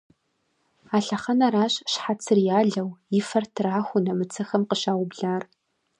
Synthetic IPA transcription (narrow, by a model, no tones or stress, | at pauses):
aːɬɐχɐnɐɾaːɕɕħat͡sʰɨrjaːɮɐwɪfɐrtʰɨraːxʷʊnɐmɨt͡sʰɐxɐmqəɕaːwʊbɮaːr